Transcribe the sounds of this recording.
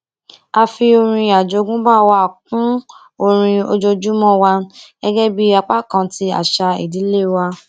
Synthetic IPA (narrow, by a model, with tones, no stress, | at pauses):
a˧fi˧o˧ɾ̃ĩ˧a˨d͡ʒo˨˦ɡũ˦ba˦˨wa˧˨k̚ũ˦ | o˧ɾ̃ĩ˧o˧d͡ʒo˧d͡ʒu˦mɔ̃˦˨wa˧ɡ̥ɛ˦ɡɛ˦bi˦a˧k͡pa˦kã˧ti˧˦a̰˨ʃa˧ḭ˨di˨˦le˦˨wa˧